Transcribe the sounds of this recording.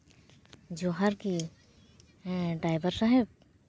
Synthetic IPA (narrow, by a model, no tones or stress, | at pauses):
d͡ʒoɦɐɾki | ɖɾaːɪbəɾsəɦeb